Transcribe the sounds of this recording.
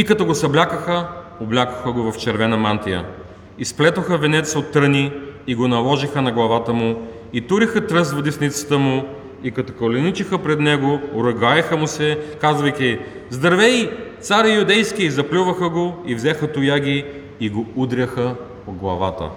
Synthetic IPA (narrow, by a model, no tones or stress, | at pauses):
ikɐt̪ɔɡosɐblʲakəxəoblʲakəxəɡovɐft͡ʃɛɾvɛnɐmant̪ijə̰ | isplɛt̪oxəvɛnɛt̪sot̪ːɾəniːɡonɐlˠɔʒixənɐɡlˠɐvat̪əmʊ | it̪uɾixət̪ɾɤst̪vɐd̪isnit̪sə̥t̪əmʊ | ikɐt̪okolɛnit͡ʃixəpɾɛd̪nɛɡoːɾɐɡajɛxəmusɛkazvɐjk̪ʲi | zd̪ɐɾvɛjt̪saɾijʊd̪ɛjskʲiizɐplʲuvəxəɡoivzɛxət̪ʊjaɡʲiː | ɡoud̪ɾʲəxə | od̪̚ɡlˠɐ̰vat̪ə̰